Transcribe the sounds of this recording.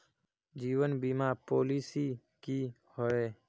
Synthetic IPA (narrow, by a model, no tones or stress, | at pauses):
d͡ʒiːwənbiːmaːpoːliːsi | ki | hoeː